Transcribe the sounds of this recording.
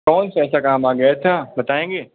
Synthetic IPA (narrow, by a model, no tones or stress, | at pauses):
kɔːnsɛːs̬akaːmaːɡɐt̪ʰaːbɐt̪aːẽːɡeː